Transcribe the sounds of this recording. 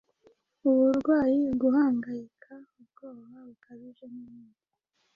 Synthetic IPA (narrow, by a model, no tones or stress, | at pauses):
uβuɾɡwaːjiɡuɦaːŋɡajikʰaubɡoːβaβukʰaβiʒemumuːk